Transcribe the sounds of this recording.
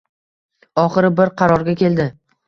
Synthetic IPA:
ɒχɨɾɪbɪɾqʰɑɾɒɾɡʲakʲʰe̞ld̪ɪ

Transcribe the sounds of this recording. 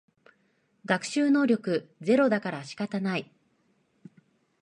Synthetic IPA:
ɡakɯ̟̥ɕɨːno̞ːɾʲo̞kɯ̟ze̞ɾo̞d̪akaɾaɕi̥kat̪anai

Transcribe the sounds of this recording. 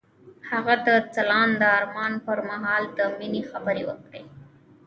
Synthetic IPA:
haɣad̪ət͡salɑnd̪əɑɾmɑnpəɾmaɦɑːld̪əminixabəɾewə̰kɽe

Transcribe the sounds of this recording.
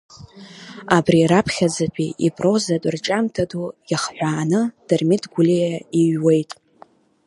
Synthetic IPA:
abriɾapʰχʲad͡zapʷʰʼiipʼro̞zatʷʼrt͡ʃʼamtʰadujaχħʷaːnɨd̥ɨrmɪdʰɡʷulijaiɥwe̞jtʼ

